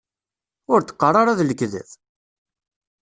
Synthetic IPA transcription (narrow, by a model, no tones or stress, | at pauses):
ʊɾt̪ːə̥qːərˤɑɾˤaðləkːðæ̰θ